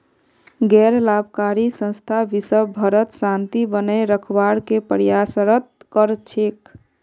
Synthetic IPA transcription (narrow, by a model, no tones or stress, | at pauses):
ɡɛɾlabʱkaɾisə̃nst̪ʰabisəbʱəɾət̪sant̪ibənəɾəkʰbaɾkepəɾjasəɾət̪̚kəɾt͡ʃʰek